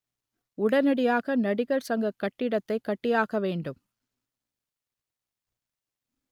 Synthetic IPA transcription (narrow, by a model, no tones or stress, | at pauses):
ʊɽɐnɐɽɪjaːɣɐnɐɽɪɣɐɭsɐŋɡɐkːɐʈːɪɽɐt̪ːɐɪkːɐʈːɪjaːɣɐʋeːɳɖɯm